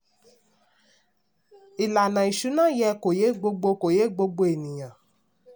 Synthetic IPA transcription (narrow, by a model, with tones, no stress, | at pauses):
i˨la˨nã˨i˨ʃu˨˦nã˦jɛ˧ko˨je˨˦ɡ͡bo˧ɡ͡bo˧ko˨je˨˦˨ɡ͡bo˧ɡ͡bo˧e˨nĩ˨j̃ã˨